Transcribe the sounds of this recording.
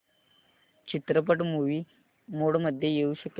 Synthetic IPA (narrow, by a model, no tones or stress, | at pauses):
t͡ɕit̪ɾəp̬əʈmuʋiː | moɽməd̪ʱːjejeuɕək